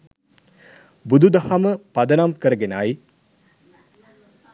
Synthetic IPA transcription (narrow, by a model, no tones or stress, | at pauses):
bud̪ʱud̪ɐhaməpɐd̪ənamkəɾəɡenaj